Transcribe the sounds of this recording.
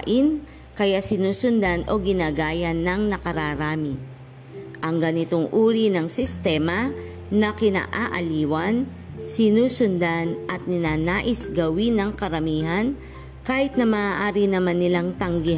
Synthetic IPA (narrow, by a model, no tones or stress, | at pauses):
ʔɪn | kɐjasɪnuːsʊnd̪anʔo̞ɡɪnaːɡaːjɐnːɐŋnɐkɐɾaːɾaːmɪ | ʔɐŋɡɐnɪt̪oŋʔuːɾinɐŋsɪst̪ɛːmɐ | nɐkɪna̰ːʔaːʔɐ̰liːwɐn | sɪnuːsʊnd̪anʔɐt̪̚nɪnaːnaːʔɪsɡɐwinɐŋkɐɾɐmiːɦɐn | kaːhɪt̪̚nɐmaːaːʔaːɾinɐmanːɪlaŋt̪ɐŋɡɪ